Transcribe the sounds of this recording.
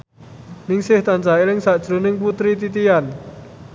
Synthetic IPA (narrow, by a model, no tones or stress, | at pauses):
nɪŋsɪht̪ant͡ʃailɪŋsaʔd̥ʒ̥ɾunɪŋput̪ɾit̪it̪ian